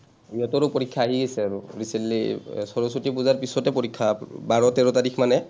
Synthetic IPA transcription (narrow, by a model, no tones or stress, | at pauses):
iɔtɔɹʊpoɹikʰːaːɦiɡejsɛaɹʊ̰ɹisenlḭsɔɹɔsotipuzaɹpisɔtɛpoɹikʰːabaɹɔtɛɹɔtadikʰmanɛ